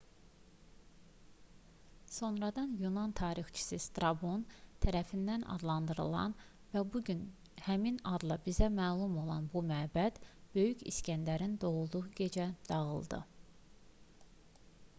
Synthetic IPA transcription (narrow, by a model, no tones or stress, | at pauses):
so̞nɾɑd̪ɑnjunɑnt̪ʰɑːɾixt͡ʃʰi̥sist̪ɾɑbont̪ʰæɾæfind̪ænʔɑ̰d̪lˠɑnd̪ɯɾɯ̰lˠɑ̰n | væbuɟyn | hæminɑd̪lˠɑbizæmæːlˠumo̞lˠɑ̰nbumæːbæd̪̥b̥ø̞jycʰiscænd̪æɾind̪o̞llˠud̪uʁɯɟe̞d͡ʒæd̪̥ɑɣɯ̰lˠd̪ɯ̰